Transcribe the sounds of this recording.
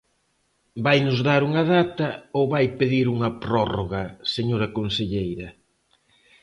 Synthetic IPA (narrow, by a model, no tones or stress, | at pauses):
bajnʊzðaɾuŋɐðat̪ɐowβajpeðiɾuŋɐpɾɔroɣɐseɲoɾɐkonseʎejɾɐ